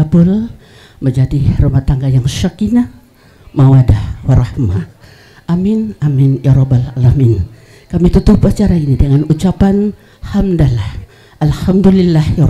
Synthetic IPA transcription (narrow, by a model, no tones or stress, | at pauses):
abʊl | məɲd͡ʒadirumaht̪aŋɡajaŋʃakina | mawadahwaɾahma | ʔamɪnamɪnjʔaɾɔbalalamɪn | kamit̪ut̪upat͡ʃaɾainidəŋanut͡ʃapan | hamdalah | ʔalhamdulilːahj